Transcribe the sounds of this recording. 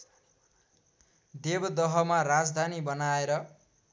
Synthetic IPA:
d̪ebʌd̪ʌɦʌmaɾad͡zd̪ʱanibʌnaeɾʌ

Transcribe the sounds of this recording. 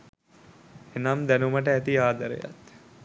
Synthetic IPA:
enamd̪ænuməʈəæt̪iaːd̪əɾḛja̰t̪

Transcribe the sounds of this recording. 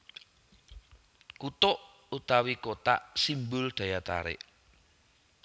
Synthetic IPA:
kut̪ʊʔ | ut̪awikot̪a̰ʔsimbʊlɖ̥ä̤jat̪a̰ɾɪ̰ʔ

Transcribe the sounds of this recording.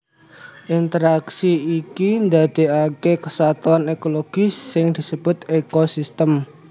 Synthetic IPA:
ʔint̪əɾaksiikind̪ad̪̥e̤akekəsat̪uanekoloɡ̥isːɪŋd̪̥i̤səb̥ʊt̪ekosist̪əm

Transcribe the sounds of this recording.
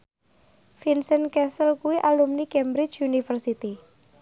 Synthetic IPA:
finsənkɛsəlkuwiʔalumnikɛmbɾɪ̥t͡ʃunifərsit̪i

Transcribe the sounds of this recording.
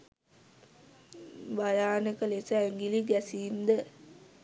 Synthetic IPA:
bajaːnəkəlesəɛŋɡiliɡɛsiːnd̪ə

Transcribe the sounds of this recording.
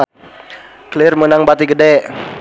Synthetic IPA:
kəlɪrmənaŋbat̪iɡədɛʔ

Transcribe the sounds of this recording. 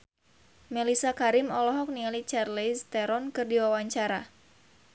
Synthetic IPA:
mɛlisakaɾɪmɔlɔɦɔk̚nialit͡ʃarlist̪ɛɾɔnkɨrdiwawaɲt͡ʃaɾa

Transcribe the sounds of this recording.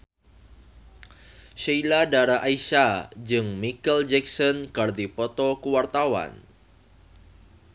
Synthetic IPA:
ʃeiladaɾaʔaiʃad͡ʒɨŋmikəld͡ʒɛk̚sɔnkard̪ipɔt̪ɔkuwart̪awa̰n

